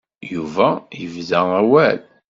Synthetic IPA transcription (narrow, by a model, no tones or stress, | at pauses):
juvæjəvðææwæl